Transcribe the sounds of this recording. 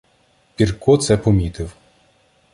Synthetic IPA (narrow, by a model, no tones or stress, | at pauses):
pʲirkɔt̪sɛpɔmʲit̪ɪw